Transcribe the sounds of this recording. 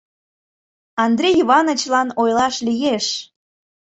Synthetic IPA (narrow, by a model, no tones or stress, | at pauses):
ɑnd̪ɾʲejiβɑnət͡ɕlɑnojlɑʃlijeʃ